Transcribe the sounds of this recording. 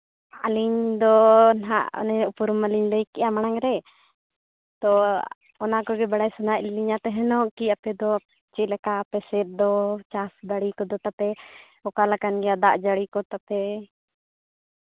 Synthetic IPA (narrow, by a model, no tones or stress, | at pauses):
aliɲd̪ɔnɦaʔnɛupuɾumaliɲləjkɛʔamañaŋɾɛ | t̪ɔ | ɔnakɔɡɛbaɽajsɔnaʔliɲat̪ɛɦɛnɔʔkiapɛd̪ɔ | t͡ʃɛlɛkaːpɛsɛt̪̚d̪ɔt͡ʃasbaɽikɔd̪ɔt̪apɛ | ɔkalakanɡɛjad̪aʔd͡ʒaɽikɔt̪apɛ